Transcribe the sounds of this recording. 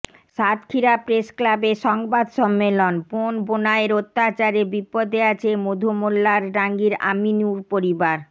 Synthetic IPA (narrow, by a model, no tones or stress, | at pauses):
ʃat̪kʰiɾapɾesklabeʃɔŋbad̪ʃɔmːelonponbonaeɾot̪ːat͡ɕaɾebipːod̪eat͡ɕʰemod̪ʱomolːaɾɖaŋɡiɾa̰minuɾpoɾibaɾ